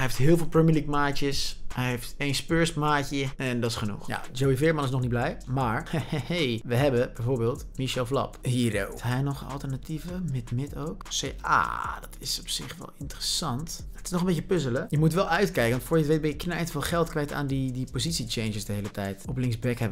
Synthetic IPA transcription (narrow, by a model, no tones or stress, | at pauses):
ɛjɦeftɦɪːlˠvɪːlˠpɹɛmiəlikmaːt͡ʃəsɦɛjɦeftejnspøɹsmaːcəɛndɑtɪsχənṵχja̰d͡ʒowivɪːɹmɑnɪs̬nɔχnit̚blɛjmaːɹhejʋəɦɛbəbɛjvoːɹbeːlˠtmiʃɛlˠflɑ̰pɦiːro̰ɦɛjnɔχɑ̰lˠtəɹnativəmɪtmɪtowkseja̰ːd̥ɑtɪsɔpsɪχʋɛ̰lˠɪntərəsɑntətɪsnɔχəmbejcəpʏzələjəmutʋɛlˠœɥtkɛjkəʋɑntfʊɹjətʋet̚bɛjəknənɛjtfɪːlˠχɛlˠtkʋɛjta̰ːndidipozitsit͡ʃejnəsdəɦejlətɛjtɔplɪŋzbɛkɦɛbə